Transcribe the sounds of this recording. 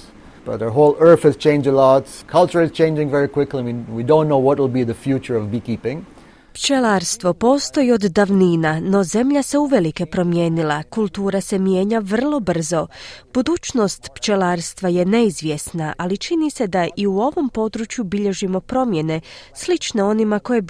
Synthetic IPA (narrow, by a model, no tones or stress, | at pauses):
b̥ʌ̰t̪̚ə˞ɦoʊlˠɜ˞θhɨz̥t͡ʃʰẽɪ̃nd͡ʒəlɔtkʰʌlˠt͡ʃə˞ɨz̥t͡ʃʰẽɪ̃nd͡ʒɪ̃ŋvɛɹikʰw̥ɪklimĩwidõʊ̃nːoʊwʌt̚wɪl̩ˠbiðəfjut͡ʃə˞ʌvbikipɪ̃ŋ | pt͡ʃelaɾst̪ʋo̞po̞ːst̪o̞jio̞d̪ːaʋniːnano̞ze̞mʎase̞uʋe̞like̞pɾo̞mjeːnilˠakulˠt̪uːɾase̞mje̞ːɲaʋr̩lˠo̞br̩zo̞b̥ud̪uːt͡ʃno̞st̪pt͡ʃe̞laːɾst̪ʋaje̞ne̞izʋje̞snaʔalit͡ʃinise̞d̪aʔiuo̞ʋo̞mpo̞d̪ɾut͡ʃjubiʎe̞ʒimo̞pɾo̞mje̞ne̞slit͡ʃne̞o̞nimako̞je̞